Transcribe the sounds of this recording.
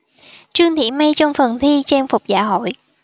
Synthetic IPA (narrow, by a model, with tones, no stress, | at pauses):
t͡ɕɨ˧əŋt̪ʰḭ˧˩ma˧jt͡ɕɔ˧wŋ͡mfə˨˩nt̪ʰi˧t͡ɕe˧nfʊ˨˩k͡p̚za̰ː˧˥ɦo̰˧˨j